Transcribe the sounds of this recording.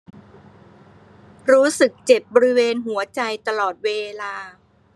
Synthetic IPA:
ɾuː˦˥sɯ˨˩k̚t͡ɕe˨˩p̚bɔː˧ɾi˦˥weː˧nɦu˩˦ɐt͡ɕa˧jt̪a˧lɔː˨˩t̪̚weː˧laː˧

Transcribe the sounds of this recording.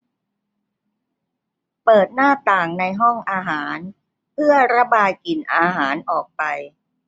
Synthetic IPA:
pɤː˨˩t̪̚naː˥˩t̪aː˨˩ŋna˧jɦɔ˥˩ŋʔaː˧ɦaː˩˦n | pʰɯ˥˩ɐɾa˦˥baː˧jki˨˩nʔaː˧ɦaː˩˦nʔɔː˨˩k̚pa˧j

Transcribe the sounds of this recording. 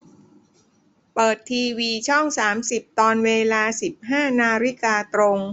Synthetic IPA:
pɤː˨˩t̪ʰːiː˧wiː˧t͡ɕʰɔ˥˩ŋsaː˩˦msi˨˩p̚t̪ɔː˧nweː˧laː˧si˨˩p̚ɦaː˥˩naː˧ɾi˦˥kaː˧t̪ɾo˧ŋ

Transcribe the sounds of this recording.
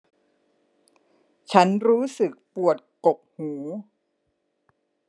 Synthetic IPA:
t͡ɕʰa˦˥nɾuː˦˥sɯ˨˩k̚pu˨˩ət̪̚ko˨˩p̚huː˩˦

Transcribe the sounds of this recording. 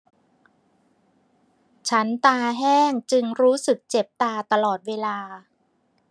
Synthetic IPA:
t͡ɕʰa˦˥nt̪aː˧ɦɛː˥˩ŋt͡ɕɯ˧ŋɾuː˦˥sɯ˨˩k̚t͡ɕe˨˩p̚t̪aː˧t̪a˧lɔː˨˩t̪̚weː˧laː˧

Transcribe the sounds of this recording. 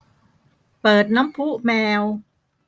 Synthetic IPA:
pɤː˨˩t̪̚na˦˥mpʰu˦˥mɛː˧w

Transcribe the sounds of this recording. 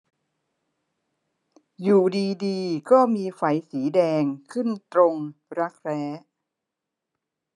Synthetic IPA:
juː˨˩diː˧diː˧kɔː˥˩miː˧fa˧˩jsiː˩˦dɛː˧ŋkʰɯ˥˩nt̪ɾo˧ŋɾa˦˥k̚ɾɛː˦˥

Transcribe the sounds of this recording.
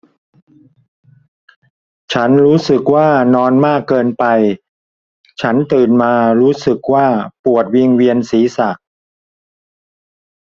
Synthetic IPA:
t͡ɕʰa˦˥nɾuː˦˥sɯ˨˩k̚waː˥˩nɔː˧nmaː˥˩kːɤː˧npa˧j | t͡ɕʰa˦˥nt̪ɯː˨˩nmaː˧ɾuː˦˥sɯ˨˩k̚waː˥˩pu˨˩ət̪̚wi˧ŋwi˧ənsiː˩˦sa˨˩ʔ̚

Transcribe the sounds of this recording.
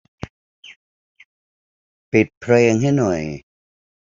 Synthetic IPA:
pi˨˩t̪̚pʰɾeː˧ŋɦa˥˩jnɔ˨˩j

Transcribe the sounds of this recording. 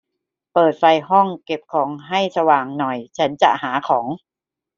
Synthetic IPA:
pɤː˨˩t̪̚fa˧jɦɔ˥˩ŋke˨˩p̚kʰɔː˩˦ŋɦa˥˩jsa˧waː˨˩ŋnɔ˨˩jt͡ɕʰa˦˥nt͡ɕa̰˨˩haː˩˦kʰɔː˩˦ŋ

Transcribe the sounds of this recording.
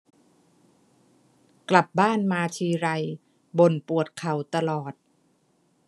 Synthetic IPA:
kla˨˩p̚baː˥˩nmaː˧t͡ɕʰiː˧ɾa˧j | bo˨˩npu˨˩ət̪̚kʰa˨˩wt̪a˧lɔː˨˩t̪̚

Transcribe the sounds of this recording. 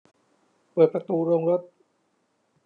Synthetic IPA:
pɤː˨˩t̪̚pɾa˧t̪uː˧ɾoː˧ŋɾo˦˥t̪̚

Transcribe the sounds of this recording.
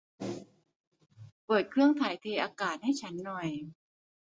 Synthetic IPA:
pɤː˨˩t̪̚kʰɯ˥˩əŋt̪ʰaː˩˦jt̪ʰeː˧ʔaː˧kaː˨˩t̪̚ha˥˩jt͡ɕʰa˦˥nːɔ˨˩j

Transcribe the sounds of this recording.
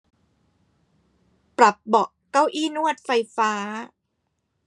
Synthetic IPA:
pɾa˨˩p̚bɔ˨˩ʔkːa˥˩wʔiː˥˩nu˥˩ət̪̚fa˧jfaː˦˥

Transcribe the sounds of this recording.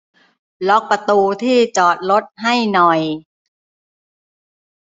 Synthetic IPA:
lɔ˦˥k̚pa˧t̪uː˧t̪ʰiː˥˩t͡ɕɔː˨˩t̪̚lo˦˥t̪̚ɦa˥˩jnɔ˨˩j

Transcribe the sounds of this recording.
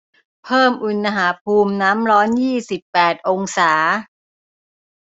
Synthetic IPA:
pʰɤː˥˩mʔu˧nːa˧ɦaː˩˦pʰuː˧mnaː˦˥mɾɔː˦˥njiː˥˩si˨˩pːɛː˨˩t̪̚ʔo˧ŋsaː˩˦

